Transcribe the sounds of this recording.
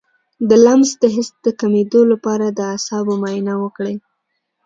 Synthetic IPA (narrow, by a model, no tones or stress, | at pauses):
d̪əlamzd̪əɦɪst̪̚d̪əkamed̪olapɑɾad̪əasɑbomajnawəkɽe